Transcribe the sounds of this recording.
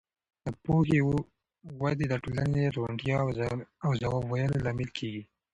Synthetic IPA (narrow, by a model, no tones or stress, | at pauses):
d̪̥əpoxew | wad̪ed̪əʈolaneɾaɳɖjɑawzawɑbwajəlolɑmɪlkʰeɡi